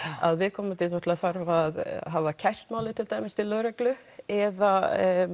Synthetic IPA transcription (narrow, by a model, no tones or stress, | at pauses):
a̰ðvɪðkʰɔːmʏt̪ʰɪlnɔt̪ɪlaθaɾvaðɦavacʰajr̥t̪maːwlɪt̪ʰɪlt̪aːjmɪst̪ʰɪlːœːɾɛklʏ | ɛða